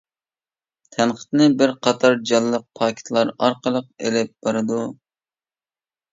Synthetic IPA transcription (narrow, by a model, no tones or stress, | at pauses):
t̪ʰænqʰə̥t̪nɨbɪɾqʰɑt̪ʰɑɾd͡ʒɑlˠːəq̚pʰɑːkʲʰɪ̥t̪ʰlˠɑɾɑɾqəlˠəqelɪp̚b̥ɑɾɨd̪u